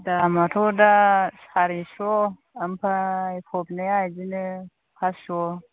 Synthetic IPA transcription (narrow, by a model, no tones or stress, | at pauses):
damatodasaɾiʃo | ampaipʰobnejaid͡ʒini | kasʃo